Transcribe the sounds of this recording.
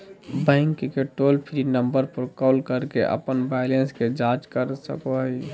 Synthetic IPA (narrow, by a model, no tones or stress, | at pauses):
bɛ̃ːŋkːkeʈoːlpʰɾinə̃mbəɾpəɾkɔːlkəɾkeʔə̰pənbaɪlensked͡ʒad͡ʒkəɾsə̰koɦəi